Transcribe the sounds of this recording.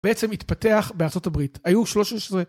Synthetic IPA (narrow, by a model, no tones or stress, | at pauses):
beʔet͡semitpate̞aχbeaʁt͡so̞tabʁitajuʃlo̞ʃaʃsʁe